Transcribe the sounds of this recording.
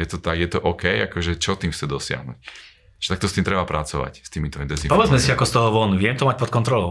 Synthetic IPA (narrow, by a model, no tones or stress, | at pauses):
jɛt̪ɔt̪aɡjɛt̪ɔʔɔkɛjakɔʒɛt͡ʃɔt̪iːmxt͡sɛd̪ɔsɪa̰ɦnṵc | ʒ̥ɛ̥t̪ak̚t̪ɔst̪iːmt̪ɾɛbapɾat͡sɔʋa̰cst̪iːmit̪ɔind̪ɛnzipɔʋɛd͡zmɛsiakɔst̪ɔɦɔʋɔnuʋjɛmt̪ɔmac̚pɔt̪̚kɔnt̪ɾɔlɔʊ